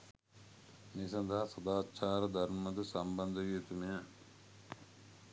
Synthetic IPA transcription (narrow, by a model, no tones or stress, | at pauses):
nisɐ̃nd̪aɦsɐd̪aːt͡ʃʰaːɾɐd̪ʱɐɾmɐd̪ɨsɐmbɐnd̪ʱɐʋiːt̪ume